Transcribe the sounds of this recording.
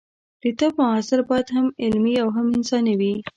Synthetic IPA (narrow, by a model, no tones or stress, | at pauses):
d̪̥ət̪əpʊɑsɪɾbɑjad̪hamɪlmiawɦamɪnsɑnawi